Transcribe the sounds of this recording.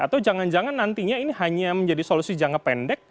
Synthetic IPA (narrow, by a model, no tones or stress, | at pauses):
at̪awd͡ʒaŋand͡ʒaŋanːant̪iɲainiɦaɲaməɲd͡ʒadisolusid͡ʒaŋapɛndɛk̚